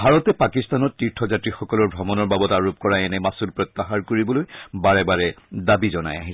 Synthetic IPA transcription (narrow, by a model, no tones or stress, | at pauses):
bʱaɹɔtɛpakist̪anɔtːiɹtʰɔzatɹixɔkɔlɔɹbʱɔmɔnɔɹbabɔtaɹup̚kɔɹaɛnɛmasulpɹɔt̪ːaxaɹkoɹibɔlojbaɹɛbaɹɛdabizɔna̰ja̰ɦis